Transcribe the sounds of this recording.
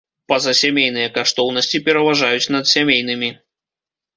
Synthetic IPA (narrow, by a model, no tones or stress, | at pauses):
pɐzɐsʲamʲejnɨjɐkaʂt̪ɔwn̪ɐsʲt͡sʲipʲɛɾɐvaʐajut͡sʲn̪ɐt̪sʲamʲejn̪ɨmʲi